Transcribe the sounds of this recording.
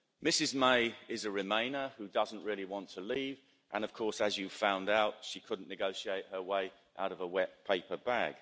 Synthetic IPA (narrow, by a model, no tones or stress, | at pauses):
mɪsɪzmeɪɪzəɹɪmẽɪ̃nəhʉdʌzn̩ʔɹɪəliwɒ̃ntʰəliːv | ʔə̰̃ñəv̥kʰɔˑsəzjɨ̥fãʊ̃ndaʊtʃikʰʊdⁿn̩nɪɡəʊʃieɪʔhəweɪ | ʔa̰ʊɾəvəwɛpʰeɪpəbaɡ̥